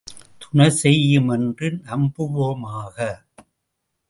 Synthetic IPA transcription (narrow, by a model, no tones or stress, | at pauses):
t̪ʊɳɐsɛjːɯmɛndrɪnɐmbɯʋoːmaːɣɐ